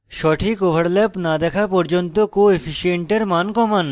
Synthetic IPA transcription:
ʃɔʈʰikobʱaɾlɛpnad̪ɛkʰapɔɾd͡ʑont̪okoefʰiʃieɳʈeɾmankɔman

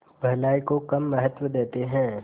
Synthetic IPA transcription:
bʱɐlaːikokɐmːɐɦət̪wəd̪eːt̪eɦɛ̃ː

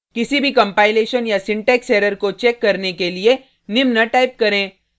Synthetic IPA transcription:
kɪsibʱikɐ̃mpaːɪleːʃənjasɪ̃ɳʈɛːksɛːɾəɾkot͡ʃɛːkːɐɾnekelie | nɪmnaʈaːɪp̚kɐɾẽː

